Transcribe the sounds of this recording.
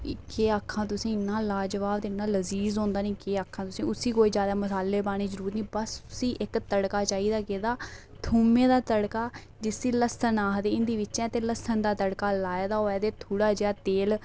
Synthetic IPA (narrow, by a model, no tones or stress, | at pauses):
keːaːkʰːãːt̪̬ʊsĩːɪnːaːlaːd͡ʒəʋaːbt̪eːɪnːaːləziːzõːnd̪aːnĩːkeːaːkʰːãːt̪ʊsĩːʊsiːkoːiːzjaːd̪aːməsaːlːeːpaːɽ̃ĩːzəɾuːɾnĩːbəsʊsĩːʔɪkt̪əɽkaːt͡ʃaːiːd̪aːkeːd̪aː | t̪ʰuːmẽːd̪aːt̪əɽkaː | d͡ʒɪsiːləsənaːɦd̪eːɪnd̪iːʋɪtːʃɛ̃ːt̪eːləsənd̪aːt̪əɽkaːlaːeːd̪aːoːɛːd̪eːt̪ʰuːɽaːd͡ʒeaːt̪eːl